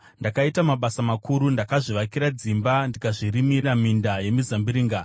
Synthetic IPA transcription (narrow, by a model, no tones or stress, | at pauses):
ndakaitamaɓasamakuɾundakaʐiʋakiɾad͡zimbandikaʐirimiramindaje̞mizambiɾiːŋɡa